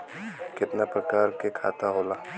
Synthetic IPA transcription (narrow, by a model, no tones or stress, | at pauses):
kɪt̪napɾɐkaːɾkekʰa̰ːt̪aɦoːlaː